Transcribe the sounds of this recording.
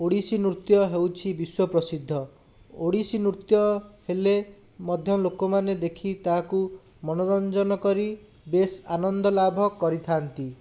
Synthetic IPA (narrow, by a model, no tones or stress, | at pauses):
oɽisinut̪jɔɦewt͡ʃʰibiswɔpɾɔsid̪ʱːɔ | oɽisinut̪jɔhele | mɔd̪ʱjɔlokɔmaned̪ekʰit̪aɦku | mɔnɔɾɔnd͡ʒɔnɔkɔɾi | besanɔnd̪ɔlabʱɔkɔɾit̪ʰant̪i